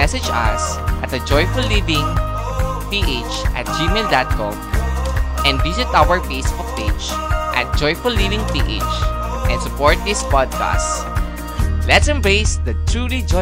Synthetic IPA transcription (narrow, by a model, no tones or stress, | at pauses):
ɛsɛd͡ʒɐ̰s | ʔɐt̪̚ɐd͡ʒɔjfʊlːivɪ̃ŋ | piʔet͡ʃʔa̰t̪̚d͡ʒimeld̪at̪̚kɔ̰̃m | ʔɛ̃nd̪visɪt̪ʔawəɹfejsbʊk̚ped͡ʒʔɐ̰t̪̚d͡ʒɔjfʊlːivɪ̃ŋpiʔḛt͡ʃ | ʔɛ̃nsʊpɔɹt̪̚d̪ɪspɔd̪̚ka̰st | lɛt̪sɛ̃mbɹeɪsd̪ɐt̪ɹulid͡ʒɔ